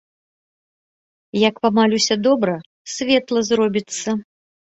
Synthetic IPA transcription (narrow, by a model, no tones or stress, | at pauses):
jɐkpamalʲusʲɐd̪ɔbɾɐ | sʲvʲɛt̪lˠɐzrɔbʲit̪sːɐ